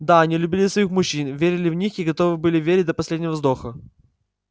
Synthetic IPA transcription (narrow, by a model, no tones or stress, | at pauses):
d̪aɐnʲilʲʉbʲilʲɪsvɐixmʊɕːinvʲeɾʲɪlʲɪvnʲixiɡɐt̪ovɨbɨlʲɪvʲeɾʲɪt̚ʲd̪əpɐsʲlʲedʲnʲɪvəvzd̪oxə